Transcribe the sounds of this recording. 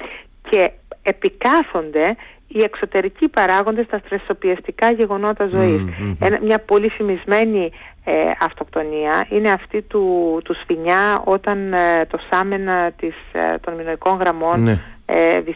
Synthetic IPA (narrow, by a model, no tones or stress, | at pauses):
cʰe̞ːpikɐθo̞nd̪e̞ | ie̞kso̞t̪e̞ɾicipɐɾɐɣo̞nd̪e̞st̪ɐt̪ɾeso̞piɐst̪ikɐʝe̞ɣo̞no̞t̪ɐzo̞isenɐmɲɐpo̞lifimizme̞ni | ɐft̪o̞kt̪o̞niɐine̞ɐft̪it̪ut̪usfiɲɐo̞t̪ɐnt̪o̞sɐme̞nɐt̪ist̪o̞nminoniko̞ŋɣɾɐmo̞nḛði